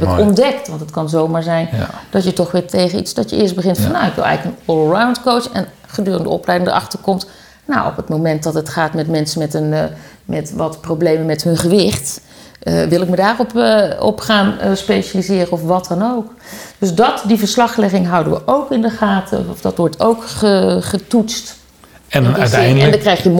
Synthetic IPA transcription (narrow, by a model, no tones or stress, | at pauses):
pɪkɔndɛktʋɑntətkɑnzowmaːɹzɛjnd̥ɑtjətɔχʋɪːɹtejχənḭtsd̥ɑtjəʔɪːsbəχɪntfɑnːawɪkʋɪ̰lˠɛ̰jləkənlɹawntkowtsɛ̰n | χədøːrəndə̰ɔ̰plɛjdɪŋdə̰ɹʔɑ̰χtəɹkɔmt | nawɔ̰pətmowmɛnt̚dɑtətχaːtmɛtmɛnsəmɛtənmɛtʋɑtprowblejmənmɛtɦɵnχəʋɪχt | ʋɪlˠɪk̚mədaːrɔpɔ̰pχaːnspejʃalizɪːrəɔfʋɑtɑnowk | d̥ɵsdɑtdivəɹslɑχlɛχɪŋɦʌwdəʋə̰ʔowkɪndəχaːtʰə̰ɔfdɑtʋɔɹtʰowkχəχətutst | ɛnndḭtɛjndlədkrɛjχjəm